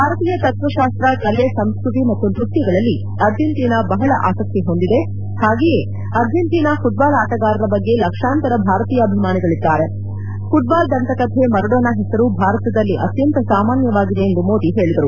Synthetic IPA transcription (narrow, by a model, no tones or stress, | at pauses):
bʱaːɾɐt̪iːjɐt̪ɐt̪ʋɐʃaːst̪ɾɐkɐlesɐmskɾut̪imɐt̪ːunɾukt̪jɐɡɐɭɐlːi | ɐɾd͡ʒʱent̪iːnɐbɐɦɐɭɐʔaːsɐk̚t̪iɦo̞nd̪id̪e̞ | haːɡeːje | ɐɾd͡ʒʱenʈ̪iːnɐfuʈ̚baːlaːʈɐɡaːɾɐɾɐbɐɡːe̞lɐkʂaːnt̪ɐɾɐbʱaːɾɐt̪iːjɐːbʱimaːniɡɐɭid̪ːaːɾe | fuʈ̚baːld̪ɐnt̪ɐkɐd̪ʰʱe̞mɐɾuɽoːnɐɦɛsɐɾubʱaːɾɐt̪ɐd̪ɐlːiʔɐt̪jɐnt̪ɐsaːmaːnjɐʋaːɡid̪eend̪umoːd̪iɦe̞ːɭid̪ɐɾu